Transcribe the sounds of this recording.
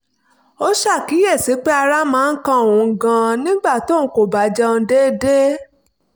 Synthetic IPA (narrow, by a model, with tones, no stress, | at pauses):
o˦ʃa˦˨ki˨˦je˦˨si˨˦k͡pe˦a˧ɾa˦mãː˦˧˦kã˧o˨ũ˨˧ɡã˧nĩ˦ɡ͡ba˦˨to˦˨˦ko˨ba˨˦d͡ʒɔ˧n̩˧de˦de˦